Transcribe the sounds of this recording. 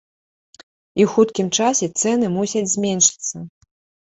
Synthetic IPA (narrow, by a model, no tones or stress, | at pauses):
iwxut̪kʲimt͡ʂasʲɛt̪sɛnɨmusʲɐd͡zʲzʲmʲɛnʂɨ̥t̪sːɐ